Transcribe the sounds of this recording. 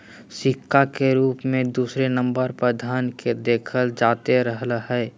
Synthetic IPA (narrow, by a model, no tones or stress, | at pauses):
sɪkʰːakeɾuːpmẽd̪uːsɾenə̃mbəɾpɾəd̪ʱaːnked̪eːkʰəld͡ʒaːt̪eɾəɦlɦɛː